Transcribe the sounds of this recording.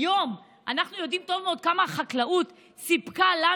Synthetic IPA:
jo̞m | ʔanaχnujo̞dimto̞vmeo̞d̪̚kamaχaklaut | sipkala

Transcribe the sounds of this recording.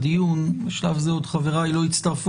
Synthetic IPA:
d̪ijunbeʃlavzeo̞d̪χaveʁajlo̞it͡st̪ɐʁf

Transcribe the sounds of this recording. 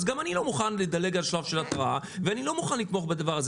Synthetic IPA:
zɡamanilo̞muχanled̪ale̞ɡalʃlavʃe̞lat̪ʁaa | veanilo̞muχanlit̪mo̞χbed̪avaʁaz

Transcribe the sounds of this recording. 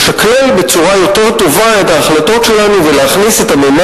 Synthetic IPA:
ʃaklelbe̞t͡suʁajo̞t̪e̞ʁt̪o̞vae̞t̪aːχlat̪o̞tʃe̞lanuveleaχnise̞t̪amema

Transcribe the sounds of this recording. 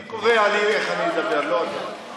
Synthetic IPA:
kovealieχanimed̪abeʁlo

